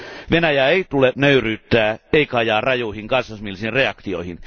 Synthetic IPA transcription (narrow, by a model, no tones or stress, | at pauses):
ʋenæjæeit̪ulet̪nøyryːt̪ːæːeikɑjɑːrɑjuihiŋkɑnsːɑsmilːsinreɑkt̪io̰ihin